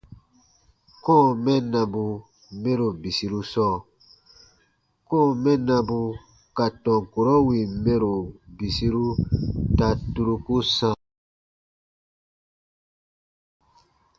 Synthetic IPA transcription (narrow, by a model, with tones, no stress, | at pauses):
kɔ̃ː˦˨mɛ̃˦nã˧bũ˧ | mẽ˦ɾo˨bi˨si˧ɾu˧sɔː˦˨ | kɔ̃ː˦˨mɛ̃˦nã˧bũ˧ | ka˨tɔ̃˨ŋ˨ko˨ɾɔ˦wi˨mẽ˦ɾo˨bi˨si˧ɾu˦ta˧tu˧ɾu˧ku˦sã˧